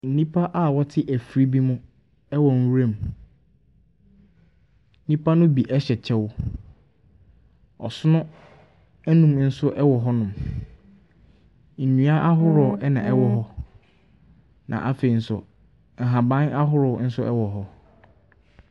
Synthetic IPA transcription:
n̩˨nĩ˦pʰa˦ʔa˦˨wɔ˦tʰɪ˦ʔæ˨fɾi˦bi˦mʊ̃˦ | ɛ˦wɔ˨n˦wɾe˦˨m | n̩˦nĩ˦pʰa˦nʊ̃˦bi˨ʔɛ˦ɕɛ˨t͡ɕʰɛ˦wʊ˦ | ɔ̰˨sʊ˦nʊ̃˦ | æ˦nũ˨mn̩˦sʊ˦ʔɛ˦wɔ˨ɦɔ˦nʊ̃˨m | n̩˨nũ˨a˦ʔa˦ɦʊ˦ɾɔ˨ɛ˦nã˨ɛ˦wɔ˨ɦɔ˦ | nʔã̰˨ʔa˨˦fe˨i˨n̩˦sʊ̰˨ | ŋ̩˨ɦã˨bã˦na˦ɦʊ˦ɾɔ˨˦n̩˦sʊ˦ɛ̰˦wɔ˨ɦɔ˦

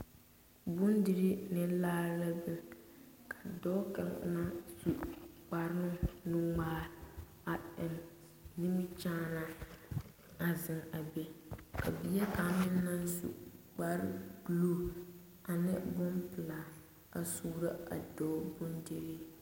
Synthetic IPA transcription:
bʊ˦ndɪ˨ɾi˦nɛ˨laː˦la˦bɪ˨kʰḁ˨dɔ˦ka˦ŋ̰˨˦na˦su˨k͡pa˨ɾɪ˦nʊ˦nʊ˦ŋaː˦ | a˨ɪ˨m | nɪ˦mɪ˦t͡ʃaː˦na˦ | a˨zɪ˨ŋa˨bɛ˨ka̰˨bi˨jɛ˦ka˨˦mɪ˦nː˦a˦nzṵ˨k͡pa˦ɾɪ˦ɡlu˦˨ | a˨nɪ˦bʊ˦mpɨ˨la˨ | a˨suː˦ɾa˦a˨dɔː˦bʊ˦ndi˨ɾi˦

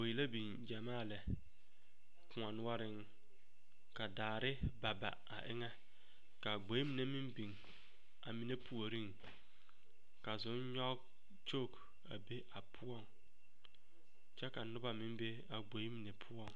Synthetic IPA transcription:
o˨ji˨la˦bi˨n | d͡ʒa˨maː˦˨lɛ˨ | kʊ˨ŋa˨nʊ˦a˦ɾɪ˦ŋ | ka˨daː˨ɾɪ˦ba˨ba̰˨a̰˨ʔɪ̰˦ŋɛ˦ | ka˨ɡ͡bo˨˦i˦mi˨ne˦mɪ˦mbi˨ŋ | a̰˨mi˨ne˦pʰu˨o˨ɾi˦ŋ | ka˨zʊ˨˦nɲɔ˦ | t͡ʃoː˦˨k | a̰˨be˦ʔa˨pʰʊ˦ɔ˦˨ŋ | t͡ʃɛ˦ka˨nʊ˦ba˨mɪ˦m˦be˦ | a˨ɡ͡bo˨˦i˦mi˨ne˨pʰʊ˦ɔ˦˨ŋ

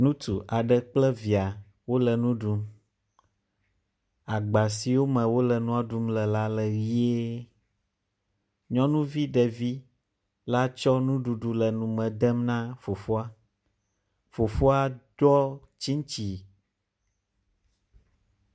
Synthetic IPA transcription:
nũ˦t̪u˨ʔa˨ɖɛ˨k͡plɛ˦vi˨a˨ | wo˦lɛ˨nũ˦ɖu˨m | a˨ɡ͡ba˨si˨wo˦mɛ̃˨wo˦lɛ˨nũ˦a˨ɖu˦mlɛ˨la˦lɛ˨wi˦e˦ | ɲɔ̃˦nũ˦vi˦ɖɛ˨vi˦ | la˦t͡ʃɔ˦nũ˦ɖu˨ɖu˨lɛ˨nũ˨mɛ̃˨d̪ɛ˦mnã˦fo˨fo˦a˦ | fo˨fo˦a˦ɖ̥ɔ˦ | t͡ɕi˦ŋ˦t͡ɕi˨

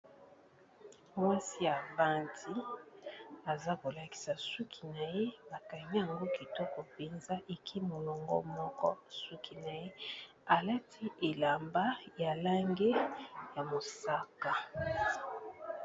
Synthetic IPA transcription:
mwa˦si˦ja˨ba˦ntʰi˦ | a˨za˦ko˨la˨ki̥˨sa˨su˦kʰi̥˨na˨je˦ba˨ka˨mi˦ja˨ŋɡo˦ki˨tɔ˦ko˨pe˨nza˦ʔe˨kʰi˦mo˨lɔ˨ŋɡɔ̰˦mɔ˦kɔ̰˦su˦kʰi˨na˨je˦ | a˨la˦tʰi˦ʔe˨la˨mba˦ja˨la˦ŋɡe˦ja˨mo˨sa˦ka˨

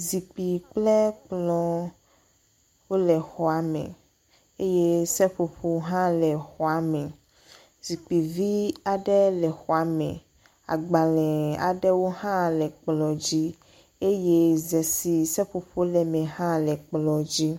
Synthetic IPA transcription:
zi˨k͡pi˨k͡plɛ˦k͡plɔ˨ | wo˦lɛ˨xɔ˨a˨mɛ̰̃˨ | e˦je˦sɛ˦ɸo˨ɸo˦ɦã˦lɛ˨xɔ˨a˨mɛ̃˨ | zi˨k͡pi˨vi˦a˨ɖɛ˦lɛ˨xɔ˨a˨mɛ̰̃˨ | a̰˨ɡ͡ba˨lɛ̃˨a̰˨ɖɛ˦wo˦ɦã˦lɛ˨k͡plɔ˨d͡ʑi˦ | e˦je˦zɛ˨si˨sɛ˦ɸo˨ɸo˦lɛ˨mɛ̃˨ɦã˦lɛ˨k͡plɔ˨d͡ʑi˦

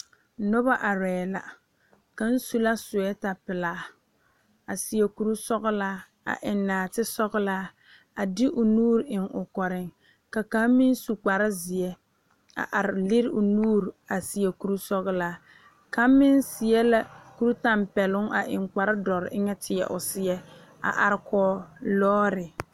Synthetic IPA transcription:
nɔ˦βa˦ʔa˨ɾɛː˨la̰˦ | ka˨n̩˦su˦la˦sʊ˨ɛ˦ta˨pɪ˨laː˨˦ | a˨si˨ɛ˨ku˨ɾu˦sɔ˦ɣʊ˦laː˦ | a̰˨ʔɪ˨nːaː˨tɪ˦sɔ˦ɣlaː˦ | a˨dɪ˦ʔʊ˨nuː˦ɾɪ˨ŋʊ˨kɔ˨ɾɪ˨ŋ | ka˨ka˨˦mɪ˦n˦su˨k͡pa˨ɾɪ˦zɪ˨ɛ˦ | a̰˨ʔa˨ɾɪ˨lɪ˦ɾɪ˦ʔʊ˨nuː˦ɾa˨si˨jɛ˨ku˨ɾu˦sɔ˦ɣlaː˦ | ka˦mɪ˦nsɪ˨jɛ˦la˦ku˦ɾu˦ta˦mpɛ˨lʊ˦ŋa˨ʔɪ̰˨ŋka˨ɾɪ˦dɔ˨ɾɪ˨ʔɪ˦ŋɛ˦tʰɪ˨ɛ̰˨ʔʊ˨sɪ˦ɛ˦ | a̰˨ʔa˨ɾɪ˨kʰɔː˨lɔː˦ɾɪ˨

